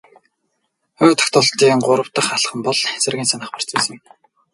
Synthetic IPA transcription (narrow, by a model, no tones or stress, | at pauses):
ʊːt̪ə̥̆xt̪ʰɔɬt̪iːŋɢʊɾə̆wt̪ə̆χaɮχə̆mpɔɮxæsə̆rɣʲiːnsanə̆χpar̥t͡siːsə